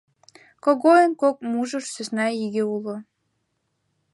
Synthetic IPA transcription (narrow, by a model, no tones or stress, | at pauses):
koɣojənkok̚muʒəʃsøsnɑjiɣeulo